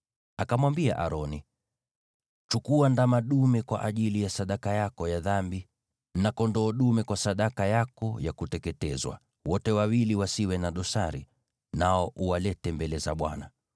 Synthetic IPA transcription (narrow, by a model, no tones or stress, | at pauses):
akamwambia̰ʔaɾɔni | t͡ʃukuandamaɗumɛkwa̰ʔaʄilijasaɗakajakɔjaðambi | nakɔndɔːɗumɛkwasaɗakajakɔjakutɛkɛtɛzwa̰ | wɔtɛwawiliwasiwɛnaɗɔsaɾḭ | naɔʔuwalɛtɛmbɛlɛza̰ɓwana